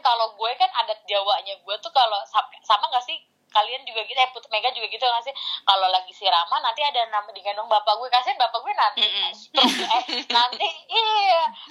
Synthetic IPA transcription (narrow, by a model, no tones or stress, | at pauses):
kaloɡuɛkanadak̚d͡ʒawaɲaɡuɛt̪ukalosasamaŋɡaʔsɪh | kaliand͡ʒuɡaɡit̪ujaŋput̪̚meɡad͡ʒuɡaɡit̪ujŋasɪhkalolaɡisiɾamanant̪iadanamadiŋanwaŋbapaɡuɛkasianbapaɡuɛnant̪iat̪əɾʊsɡɛnant̪iːa